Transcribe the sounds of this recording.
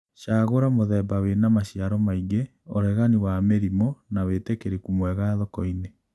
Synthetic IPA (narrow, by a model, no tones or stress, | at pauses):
ʃaɣoɾamoðɛbawenamaɕjaɾɔmaiɡe | oɾɛɣaniwameɾimɔnawetekeɾekumwɛɣaðɔkɔine